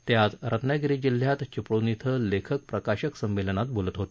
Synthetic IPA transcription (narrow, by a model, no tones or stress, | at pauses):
t̪jat̪ɾət̪ʰnaɡɾid͡ʑil̤jat̪t͡ɕipɽonit̪ʰəlekʰək̚pɾəkaɕəksəmʋelənat̪̚bolət̪ɦot̪